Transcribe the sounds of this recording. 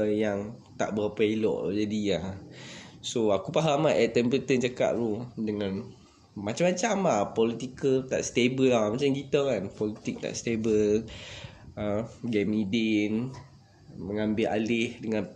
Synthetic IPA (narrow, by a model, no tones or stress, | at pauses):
jaŋ | t̪a̰ʔbəɾapailɔ̰ʔd͡ʒadiah | soakupaɦamaʔɛʔt̪ɛmpəɾət̪ənt͡ʃaka̰ʔ̚ɾudəŋan | mat͡ʃamat͡ʃamahpɔlit̪ikəlt̪a̰ʔst̪ebəlamat͡ʃamkit̪əkanpɔlit̪ik̚t̪a̰ʔst̪ebəl | əɡɛmidɪn | məŋambɪlʔalɪhdəŋãn